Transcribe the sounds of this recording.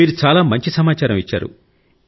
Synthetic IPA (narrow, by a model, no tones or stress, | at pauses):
iːɾut͡ʃaːlaːmɐɲt͡ʃisɐmaːt͡ʃaːɾɐmit͡ʃːa̰ːɾṵ